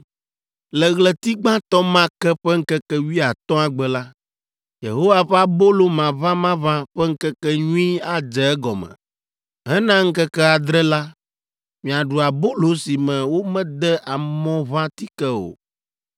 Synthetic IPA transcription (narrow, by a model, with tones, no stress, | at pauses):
lɛ˨ɣlɛ˨t̪i˦ɡ͡bã˦t̪ɔ˦mã˦kɛ˦ɸɛ˦ŋ̩˦kɛ˦kɛ˦wi˦a˨t̪ɔ̃˦a˨ɡ͡bɛ˨la˦ | jḛ˨ɦo˦wa˦ɸa˦bo˦lo˦mã˨vã˦mã˦βã˦ɸɛ˦ŋ̩˦kɛ˦kɛ˦ɲũ˦i˦a˨d͡ʒɛ˨ɛ˦ɡɔ˨mɛ̰̃˨ | ɦɛ˦nã˦ŋ̩˦kɛ˦kɛ˦a˨d̪ɾɛ˦la˦ | mĩ˨a˨ɖu˨a˨bo˦lo˦si˨mɛ̃˨wo˦mɛ̃˦d̪ɛ˦ʔa˨mɔ̃˦βã˦t̪i˦kɛ˦o̰˨